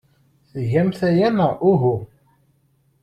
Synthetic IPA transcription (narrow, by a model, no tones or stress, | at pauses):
θʝæmθæjænæʔuɦu